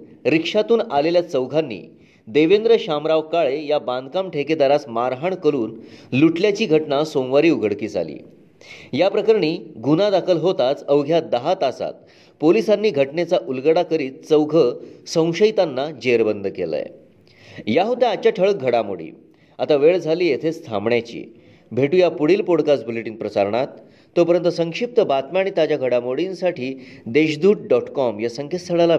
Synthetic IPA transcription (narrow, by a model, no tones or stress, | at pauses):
ɾikʂat̪uːnaleljat͡səwɡʱanːḭː | d̪eʋend̪ɾəɕamɾaʋkaɭejaband̪̚ʱkamʈʰeked̪aɾasmaɾɦaɳkəɾuːnluʈljat͡ɕiːɡʱəʈnasomʋaɾiːuɡʱəɽkiːd͡zʱa̰lḭː | japɾəkəɾɳ̃iːɡunad̪akʰəlɦot̪at͡səwɡʱjad̪əɦat̪asa̰t̪̚ | polisanːiːɡʱəʈnet͡saʔulɡəɽakəɾiːt̪̚t͡səwɡʱəsə̃w̃ɕəjt̪anːad͡ʑeɾbənd̪ʱəkelə̰j | jaɦot̪ẽat͡ɕaʈʰəɭək̚ɡʱəɽamo̰ɽḭː | at̪aʋeɭd͡zʱaliːjet̪ʰet͡st̪ʰã̰mɳjat͡ɕḭː | bʱeʈujapuɽiːlpoɽkasbuleʈiːnpɾəsaɾɳ̃at̪ː | opəɾənt̪əsəŋkʂip̚t̪əbat̪mjaɽ̃it̪jad͡ʑjaɡʱəɽamoɽinsaʈʰiːd̪eɕd̪uːʈ̚ɖɔʈkɔmjasəŋkʰest̪ʰəɭala